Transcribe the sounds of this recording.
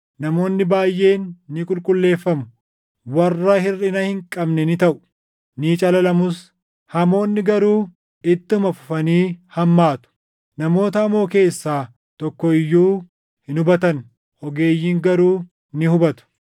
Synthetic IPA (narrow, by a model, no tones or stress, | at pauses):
nɐmo̞ːnːɪbaːjːʔe̞ːnːɪkʼʊlkʼʊlːe̞ːfːɐmʊ | wɐrːɐhɪrːɪnɐhɪŋkʼɐbnɛnɪt̪ɐʔʊ̥ | niːt͡ʃʼɐlɐlɐmʊs | hɐmo̞ːnːɪɡɐɾuː | ɪt̪ːɪʊmɐfʊfɐniːhɐmːaːt̪ʊ̥ | nɐmo̞ːt̪ɐːmo̞ːke̞ːsːaː | t̪ɔkːɔɪjːuː | hɪnʊbɐt̪ɐn | ʔɔɡe̞ːjːiːŋɡɐɾuː | nɪhʊbɐt̪ʊ̥